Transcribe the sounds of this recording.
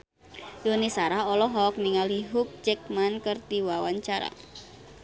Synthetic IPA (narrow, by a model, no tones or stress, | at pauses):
dunisaɾahɔlɔɦɔk̚niŋaliɦuk̚d͡ʒɛk̚mankərt̪iwawaɲt͡ʃaɾa̰